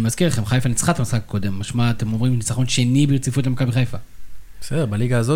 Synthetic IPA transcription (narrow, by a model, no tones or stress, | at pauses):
imazkiʁleχe̞mχajfanit͡sχat̪amisχak̚ko̞d̪e̞mːaʃmat̪e̞mo̞mʁimnit͡saχo̞nʃe̞nibejot͡sifut̪lemakabiχajfabesedebaliɡaːzo